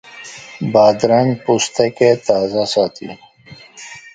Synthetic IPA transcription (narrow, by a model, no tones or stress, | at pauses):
baːd̪ɾanpust̪ɐket̪aːzasaːt̪ḭ